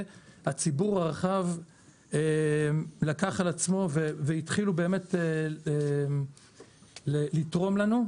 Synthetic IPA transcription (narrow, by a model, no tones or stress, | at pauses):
hat͡sibuʁaʁaχav | e | lakaχalat͡smo̞veveit̪χilube̞ːme̞tee | lelitʁo̞mlanu